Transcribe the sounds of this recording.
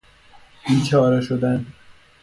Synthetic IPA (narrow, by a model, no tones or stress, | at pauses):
int͡ʃʰɒːɾɒʃod̪æn